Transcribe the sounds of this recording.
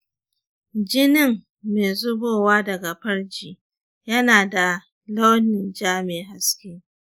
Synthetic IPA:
d͡ʒɪ˦nɪ˦ŋ | meː˨zʊ˦boː˦˨waː˦dɐ˨ɡa˨ɸɐ˦rd͡ʒiː˨ | jɐ˦naː˨da˨ | la˦wnɪ˨nd͡ʒaː˦meː˨ɦa˨skʲeː˦

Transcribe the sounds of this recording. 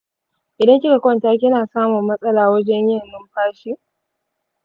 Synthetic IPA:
ʔɪ˨dɐ˦ŋkʲɪ˦ka˨kʷɔ˦˨ntaː˦kʲɪ˦naː˨saː˦mʊ˨mːɐ˦sʼɐ˦laː˨wɐ˦d͡ʒɛ˦ɲjɐ˦mːɪ˦mɸaː˦ʃi˦ʔ

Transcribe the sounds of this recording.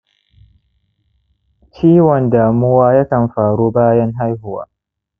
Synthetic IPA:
t͡ʃiː˦wɔ˨ndaː˨mʊ˦waː˦jaː˦kɐ˨mɸaː˨ɽuː˦baː˦jɐ˦ŋɦa˦jɦʊ˦wa̰ː˦

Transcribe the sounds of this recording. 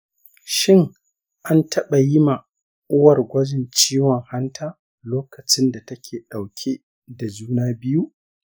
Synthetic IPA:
ʃɪ˦ŋ | ʔa˦ntʰɐ˦ɓa˨jɪ˦ma˨ | ʔʊ˦wɐ˨rɡʷɐ˦d͡ʒɪ˨nt͡ʃiː˦wɔ˨ŋha˦ntʰaː˦ | loː˦kɐ˨t͡ʃɪ˦nda˨tɐ˦kʲʰeː˨ɗa˨wkʲʰe˦ | da˨d͡ʒuː˦naː˦bɪ˦ju˦ʔ

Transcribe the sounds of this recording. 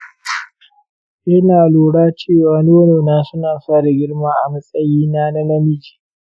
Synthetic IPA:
ʔɪ˦naː˨loː˨ɽaː˦t͡ʃeː˦˨waː˨noː˦noː˨naː˦sʊ˦naː˨sa˦˨da˨ɡʲɪ˦ɽmaː˦ʔa̰˨mɐ˦sʼɐ˦jiː˦na˦nɐ˦lɐ˦mɪ˦d͡ʒi̥ː˨

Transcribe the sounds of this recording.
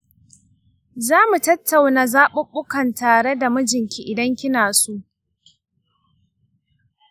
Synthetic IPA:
zaː˦mu˨tɐ˦tːa˨wnaː˨zaː˦ɓʊ˦ɓʊ˦kɐ˨ntaː˨ɽe˦da˨mʊ˦d͡ʒɪ˨ŋkʲi˦ʔɪ˨dɐ˦ŋkʲɪ˦naː˨su˦ʔ

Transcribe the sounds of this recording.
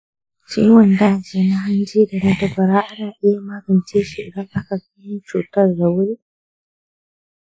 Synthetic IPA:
t͡ʃḭː˦wɐ˨ndaː˦˨d͡ʒeː˦˨na˦ɦa˦nd͡ʒiː˦da˨ɽa˦tɐ˨ɸɐ˨ɾaː˦ʔa˦naː˨ʔɪ˦ja˦maː˦ɡɐ˨nt͡ʃeː˦ʃi˨ɡa˦ŋʔa˦ka˨ka˦jɪ˦nt͡ʃuː˨tɐ˦rda˨wʊ˦ɾi˦ʔ

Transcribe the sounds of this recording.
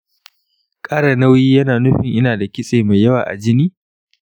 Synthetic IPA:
kʼaː˦ɽɐ˨na˦wjiː˦jɐ˦naː˨nʊ˦ɸɪ˨ŋʔɪ˦naː˨da˨kʲɪ˦sʼeː˨ma˨jɐ˦waː˨ʔa̰˨d͡ʒɪ˦niː˦

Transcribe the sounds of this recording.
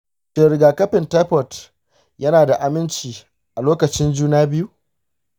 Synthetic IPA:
teː˨ɾɪ˨ɡaː˨kɐ˦ɸɪ˨nta˦ɸɔ˨t | jɐ˦naː˨da˨ʔa˨mɪ˦nt͡ʃiː˨ | ʔa˨loː˦kɐ˨t͡ʃɪ˦nd͡ʒuː˦naː˦bɪ˦ju˦ʔ

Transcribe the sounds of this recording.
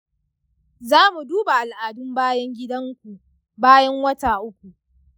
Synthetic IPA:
zaː˦mu˨duː˦ba˨ʔa˨lʔaː˨dʊ˦mbaː˦jɐ˦ŋɡʲɪ˦dɐ˦ŋkʷu˨ʔ | baː˦jɐ˦ŋwɐ˦taː˨ʔʊ˦kʷu˨ʔ

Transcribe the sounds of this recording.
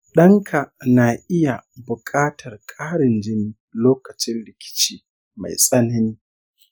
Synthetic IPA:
ɗɐ˦ŋkʰa˨na˨ʔɪ˦ja˨bʊ˨kʼaː˦tʰɐ˨rkʼaː˦ɽɪ˨nd͡ʒɪ˦ni˦˨loː˦kɐ˨t͡ʃɪ˦nlɪ˨kʲɪ̥˦t͡ʃiː˦ | ma̰˨jsʼɐ˦nɐ˦ni˦

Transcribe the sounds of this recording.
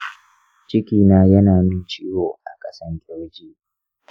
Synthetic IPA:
t͡ʃɪ˦kʲiː˨naː˦jɐ˦naː˨mɪ˦nt͡ʃiː˦woː˨ʔa˨kʼɐ˦sɐ˦ŋɡʲʼɛ˦ɽd͡ʒiː˦

